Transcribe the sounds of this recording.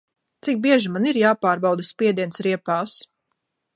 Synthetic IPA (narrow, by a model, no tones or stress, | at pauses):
t̪sik̚biɛʒimaniɾjaːpaːɾbawd̪aspʲiɛd̪iɛnsɾiɛpaːs